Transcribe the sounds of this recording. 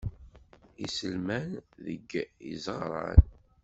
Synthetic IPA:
isəlmænðə̰ɡḭzʁɾˤɑ̰n

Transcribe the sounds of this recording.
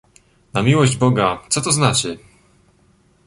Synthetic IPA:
namʲiwɔʑd͡ʑbɔɡat̪sɔt̪ɔznat͡ɕɛ

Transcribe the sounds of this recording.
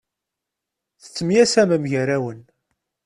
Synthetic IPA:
θə̥t͡sːəmjæsæməmʝəɾæwən

